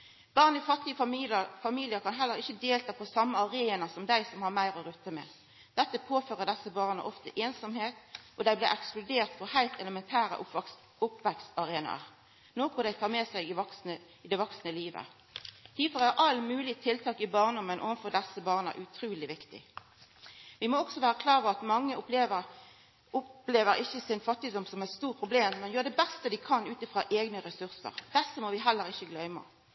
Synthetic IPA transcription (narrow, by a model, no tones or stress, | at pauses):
b̥ɑːʁnɪfɑt̪ːɪəəfɑmiːlɪəkʰɑnɦɛlːəʁɪçːəd̪eːlt̪ʰɑpʰɔsɑmːəɑʁeːnɑsɔmd̪æɪsɔmhɑʁmæɪʁɔʁʉt̪ːəmɛ̰ | d̪̥ɛt̪ːəpʰoːføːʁəd̪ɛsːəbɑːʁnə̰ʔɔft̪əʔeːnsɔmheːt̪ʔɔd̪æɪblɪʔɛksplʊd̪eːʁt̪fɔhæɪlt̪ɛləmɛnt̪ʰæːʁə̰ʔʊ | ʊpʋɛksɑʁeːnɑ̰ʁ | noːkʊd̪æɪt̪ʰɑːʁmɛsæɪɪʋɔksnə | ɪd̪ɛʋɔksnəliːʋə̰ | t̪ʰiːfɔʁæʁʔɑlmʉːlɪt̪ʰɪlt̪ʰɑːkɪbɑːʁnd̪ɔmənʔo̰ːʋənfɔʁd̪ɛsːəbɑːʁnə̰ʔʉt̪ʰɾʉːlɪʋɪkt̪ɪ̰ | ʋɪmɔɔɡ̥sɔʋæːʁəkʰlɑːʁʋəʁɑt̪mɑŋːəʊpleːʋə | ʊpleːʋəɾɪçəsɪnfɑt̪ːɪd̪ʊmsɔmæɪt̪st̪uːʁpʰʁʊbleːmːɛnjøːʁd̪ɛbɛst̪əd̪ɪkʰɑnʉːt̪ɪfʁɑːʔeːɡnəɾɛsʉʁsə̰ʁd̪̥ɛsːəmɔʋɪɦɛlːəɾɪçəɡlœʏmə̰